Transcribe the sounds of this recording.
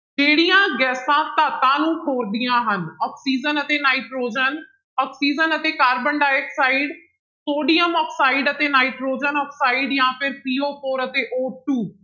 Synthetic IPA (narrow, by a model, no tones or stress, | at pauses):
d͡ʒeːɽijãːɡɛːsãt̪aːt̪ãːnũkʰoːɾd̪ijãːɦənɔːksiːd͡ʒənət̪enaːɪʈɾoːd͡ʒən | ɔːksiːd͡ʒənət̪ekaːɾbə̃ɳɖaːeksaːɪɖ | t̪oːɖijəmɔːksaːɪɖət̪enaːɪʈɾoːd͡ʒənɔːksaːɪɖjãːpʰɪɾpiːoːpʰoːɾət̪eʔoːʈuː